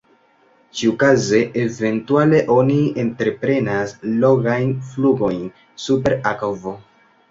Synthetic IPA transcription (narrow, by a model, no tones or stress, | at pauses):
t͡ʃiukaze̞ʔeve̞ntuale̞ʔo̞nientɾe̞pɾe̞naslo̞ɡajnfluɡo̞jn | supe̞ɾakovo